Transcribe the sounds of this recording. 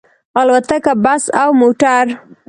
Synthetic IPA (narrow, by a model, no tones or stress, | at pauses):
alwat̪akabasawmoʈaɾ